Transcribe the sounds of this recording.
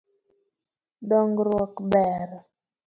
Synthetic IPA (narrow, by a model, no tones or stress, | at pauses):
dɔŋɡɾwɔkbɛɾ